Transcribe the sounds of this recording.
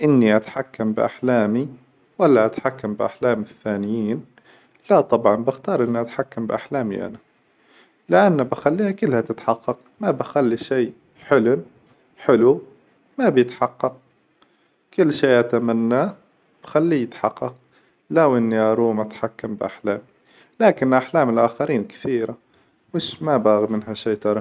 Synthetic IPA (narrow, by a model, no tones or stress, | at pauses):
ʔɪnːiʔat̪ħakːambɪʔa̰ħlaːmi | walːaʔat̪ħakːambʔa̰ħlaːmɪθːaːnɪjiːn | lat̪ˤɑbʕɑnbɪxt̪ɑːɾˤʔɪnːiʔat̪ħakːambɪʔaħlaːmḭʔa̰na | lɪʔanːabɪxalːiːhakɪlːhat̪ɪt̪ħɑqːɑq̚ | mabaxalːiʃiː | ħɪlʊm | ħɪlu | mabjət̪ħɑqːɑq̚ | kʊlːʃiːʔat̪amanːa | b̥xalːijət̪ħɑqːɑq | lawʔənːiʔɑɾˤuːmat̪ħakːambʔa̰ħlæːmi | læːkɪnʔaħlæːməlʔaxaɾiːnkt̪iːɾa | wɪʃmabaɣimənɦæʃiːt̪ɑɾˤɑ